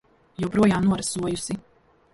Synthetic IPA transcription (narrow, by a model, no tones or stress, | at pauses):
jɛwpɾuɔjaːmnuɔɾasuɔjusi